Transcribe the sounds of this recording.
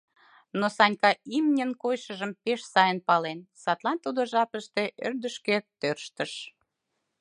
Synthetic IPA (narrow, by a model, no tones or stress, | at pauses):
nosɑnʲkɑimnʲənkojʃəʒəmpeʃsɑjənpɑlensɑt̪lɑnt̪ud̪oʒɑpəʃt̪e̽ʔørd̪əʃket̪ørʃt̪ə̆ʃ